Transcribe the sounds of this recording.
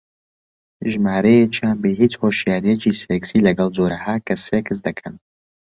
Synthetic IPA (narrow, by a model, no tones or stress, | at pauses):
ʒmaːɾejet͡ʃijaːnbehit͡shoːʃjaːɾijet͡ʃiːseksiːlɐɡɐlˠd͡ʒoːɾɐhaːkʰɐsekʰɨsd̪ɐkʰɐn